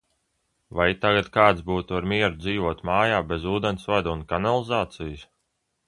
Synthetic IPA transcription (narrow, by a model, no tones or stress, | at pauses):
vajt̪aɡat̪kaːt̪sbuːt̪uaɾmiɛɾud̪ziːvuɔt̪maːjaːbezuːd̪ensvad̪unkanalˠizaːt̪sijs